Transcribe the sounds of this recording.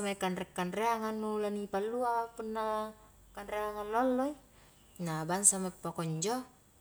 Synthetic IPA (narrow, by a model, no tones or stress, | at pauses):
amaikanrɛkːanreaŋanːulanipalːuapunːa | kanreaŋanlɔlːɔi | nabansamaipːokɔɲd͡ʒɔ